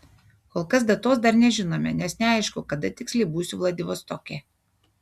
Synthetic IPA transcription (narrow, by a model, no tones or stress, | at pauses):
koːlˠkɐs̬d̪ɐt̪oːsd̪ɐɾnʲɛʒʲɪnoːmʲɛ̰nʲɛsnʲɛɐˑɪʃkʊkɐd̪ɐt̪ʲɪksʲlʲɛɪbuːsʲʊʋlˠɐd̪ʲɪʋoːst̪okʲeː